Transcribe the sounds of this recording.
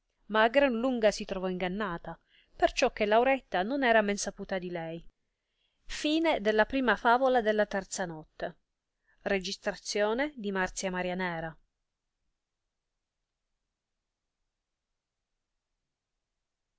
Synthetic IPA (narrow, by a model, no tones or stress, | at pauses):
maːɡɾanluŋɡasit̪ɾɔvɔiŋɡanːaːt̪a | pert͡ʃɔkːelːawɾɛt̪ːanonɛːɾamɛnsapuːt̪ad̪ilɛj | fiːned̪elːapɾiːmafaːvolad̪elːat̪ɛrt̪sanɔt̪ːe | red͡ʒist̪ɾat̪sːjoːned̪imart̪sjamaɾjanɛːɾa